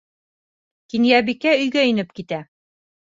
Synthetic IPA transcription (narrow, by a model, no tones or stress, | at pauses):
kinjæbikæɵ̆jɡæɵ̆nɘp̚kit̪æ